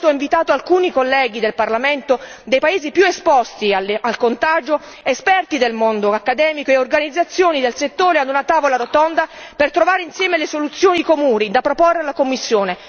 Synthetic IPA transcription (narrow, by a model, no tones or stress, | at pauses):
t̪oiɱvit̪aːt̪oalkuːnikolːɛːɡid̪elparlament̪od̪ejpaeːzipjuespɔst̪ialalkont̪aːd͡ʒo | espɛrt̪id̪elmond̪oakːad̪ɛːmikoeorɡanid̪zːat̪sːjoːnid̪elset̪ːoːɾead̪unat̪aːvolaɾot̪ɔnd̪apert̪ɾovaːɾeinsjɛːmelesolut̪sːjoːnikomuːnid̪apɾoporːelakomːisːjoːne